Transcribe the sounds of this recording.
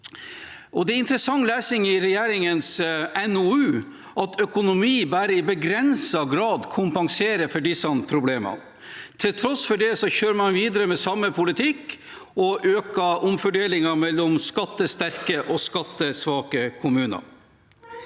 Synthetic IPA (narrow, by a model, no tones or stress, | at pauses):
ʔɔd̪ɛæɪnt̪ɾəsɑŋːlæːsɪŋɪɾɛjæːɾɪŋənsɛnʊʉː | ʔɑt̪ʰœkʊnʊmiːbæːɾəɪbəɡɾɛnsɑɡɾɑːd̪kʰʊmpɑŋseːɾəfɔɖɪsɑnpʰɾʊbleːmɑ̰ | t̪ʰɪlt̪ʰɾɔsfɔɖɛsɔçøːɾəmɑnʋiːd̪əɾəmɛsɑmːəpʰʊlɪt̪ʰɪk | ɔʔøːkɑʔʊmfœɖeːlɪŋɑmɛlːɔmskɑt̪ːəst̪æɾkəʔɔskɑt̪ːəsʋɑːkəkʰʊmʉːnɑ̰ɾ